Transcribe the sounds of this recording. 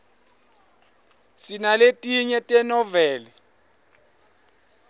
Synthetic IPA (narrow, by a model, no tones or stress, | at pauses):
sinaletʼiɲɛtʼɛnɔvɛːlɛ